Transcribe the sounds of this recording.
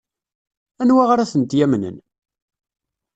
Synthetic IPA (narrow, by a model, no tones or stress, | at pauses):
ænwaʁɾæθənt̪jæmnə̰n